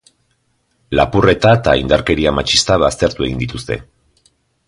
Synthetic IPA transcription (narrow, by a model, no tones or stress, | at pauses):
lapure̞t̪aet̪a̰ind̪aɾke̞ɾiamat͡ʃist̪aβast̪e̞ɾt̪ue̞ɣind̪it̪ust̪e̞̰